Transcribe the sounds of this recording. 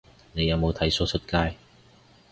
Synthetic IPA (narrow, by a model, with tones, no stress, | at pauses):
ne˨˧jɐ˨˧wmo˨˧wt̪ʰɐ˨˥jso˥sʰɵ˧˥t̚kaː˥j